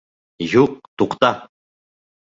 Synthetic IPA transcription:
ʒuq̚t̪uqt̪ɑ

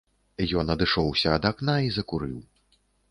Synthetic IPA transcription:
jɔnɐd̪ɨʂɔwsʲɐːd̪aknaizɐkuɾɨw

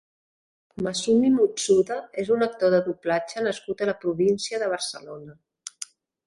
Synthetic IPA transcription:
məsumimut͡suðəezunək̚t̪oðəðuplat͡ʃənəskut̪ələpɾuβinsiəðəβ̞əɾsəlonə

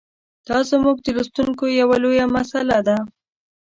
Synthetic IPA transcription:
d̪̥ɑzəmuɡ̚d̪əlust̪uŋkojawalojamasalad̪a

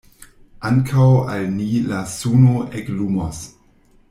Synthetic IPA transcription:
ʔaŋkʰawalnilasunoeklumas

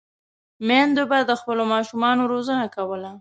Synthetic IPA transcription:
mand̪obad̪əxpəlomɑʃumɑnoɾozənakawəla

